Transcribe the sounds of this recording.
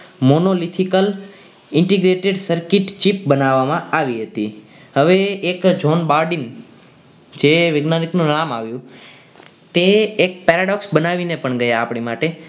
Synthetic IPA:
monolit̪ʰikəl | ɪɳʈiɡɾeʈeɖsəɾkiʈt͡ʃipbənaʋːamãaʋiɦət̪i | ɦəʋeːkd͡ʒonbaɾɖin | d͡ʒeʋeɡnaniknũnamaʋjũ | t̪eːk̚pɛɾaɖɔksbənaʋinepəɳɡəjaapɽɳimaʈe

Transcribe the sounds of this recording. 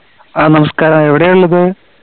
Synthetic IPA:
aːnɐmɐskaːɾɐmeʋiɽejuɭːɐðɨ

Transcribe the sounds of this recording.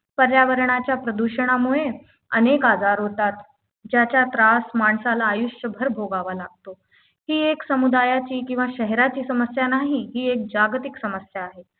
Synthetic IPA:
pəɾjaʋəɾɳ̃at͡ɕjapɾəd̪uɕəɽ̃amuɭe | ənekad͡zaɾɦot̪at̪ | d͡ʑjat͡ɕjat̪ɾasmaɳsalaːjuɕjəbʱəɾbʱoɡaʋalaɡ̚t̪o | hiːeksəmud̪ajat͡ɕiːkĩw̃ʋaɕəɦɾat͡ɕiːsəməsjanaɦiɦiːek̚d͡ʑaɡt̪iksəməsjaːɦe

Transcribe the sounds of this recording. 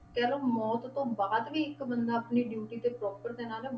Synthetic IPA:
kɛːloːmɔːt̪t̪õːbaːd̪ʋiːɪkbənd̪aːəpniːɖjuːʈiːt̪eːpɾɔːpəɾd̪eːnaːl

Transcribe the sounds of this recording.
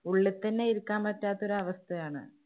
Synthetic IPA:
uɭːɐt̪ːɐnːeiɾukːaːmpɐtːaːt̪ːɐo̞ɾuɐʋɐst̪ʰɐjaːɳɨ̰

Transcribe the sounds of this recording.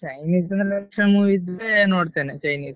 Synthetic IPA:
t͡ʃɐjniːsɐnd̪ɾlɛkʂɐɳmuːʋid̪lenoːɽt̪eːnet͡ʃɐjniːs

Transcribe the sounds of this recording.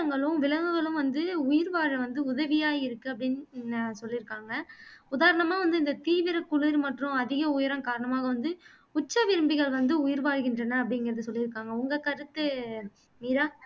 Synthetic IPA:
ɐŋɡɐɭɯ̃mʋɪɭɐʋɯɣɐɭɯ̃mʋɐnd̪ɯʊjɪɾʋaːɻɐʋɐnd̪ɯʊðɐʋɪjaːjɪɾɯkːɯɐpːɐɽɪnsɔlːɪɾɯkːaːŋɡɐʊðaːɾɐɳɐmaːʋɐnd̪ɯɪnd̪ɐt̪iːʋɪɾɐkʊɭɪɾmɐʈrʊ̃ɐðɪɣɐʊjɐɾɐmkaːɾɐɳɐmaːɣɐʋɐnd̪ɯ | ʊt͡ʃːɐʋɪɾɯmbɪɣɐɭʋɐnd̪ɯʊjɪɾʋaːɽɣɪndrɐnːɐɐpːɐɽɪnɡɪɾɐðɯsɔlːɪɾɯkːaːŋɡɐʊŋɡɐkɐɾɯt̪ːɐ | miːɾaː

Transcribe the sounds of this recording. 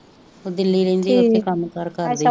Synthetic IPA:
od̪ɪlːiːlẽnd̪iːoeːkəmkəɾkəɾd̪i

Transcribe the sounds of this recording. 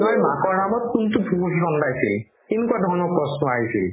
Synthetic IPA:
ɔjmakɔɹnamɔt̚kuntʊbʱuukixɔndajsil | kinɔkuwadʱɔɹnɔkɹɔsnɔaɹisil

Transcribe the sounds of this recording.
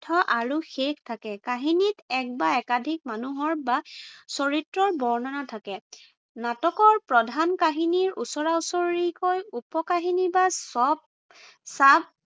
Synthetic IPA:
tʰɔʔaɹuxextʰakɛkaɦinitɛk̚baɛkadʱik̚manuɦɔɹbasɔɹitɹɔɹbɔɹnɔnatʰakɛ | natɔkɔɹpɹɔdʱankaɦiniɹṵsɔɹausɔɹikojupɔkaɦinibasɔb̚ | sab̚

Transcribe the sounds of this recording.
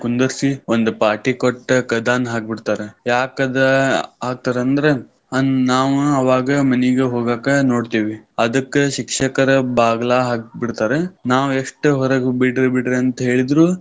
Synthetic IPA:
kund̪ɐɾsiond̪upaːɾʈikoʈːɐkɐd̪aːnɦaːk̚biɽt̪aːɾejaːkɐd̪ɐaːɡ̚t̪aːɾeɐnd̪ɐɾe̞ | ɐnaːʋuɐʋaːɡɐmɐniɡeɦoːɡaːkɐnoːɖt̪iːʋiɐd̪ɐkːeʃikʂɐkɐɾɐbaːɡɐlaːɦaːk̚biɽt̪aːɾenaːʋueʂʈɦɔɾɐɡbiɽɾbiɽɾeɐnt̪ɐɦe̞ːɭid̪ɾu

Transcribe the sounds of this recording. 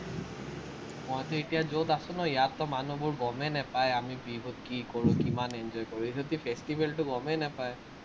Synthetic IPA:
mɔjt̪ɛetijazot̪asʊ̃nɔijatːɔmanubʊɹɡɔmɛnɛpajamibibʱut̚kikɔɹʊ̃kimanɛnd͡ʒɔjkɔɹũetot̪ipʰestibʱɛltʊɡɔmɛnɛpaj

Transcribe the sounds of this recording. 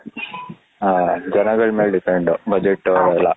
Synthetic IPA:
d͡ʒɐnɐɡɐɭmeːɭɖipeɳɖubʱɐd͡ʒeʈːɛlːɐ

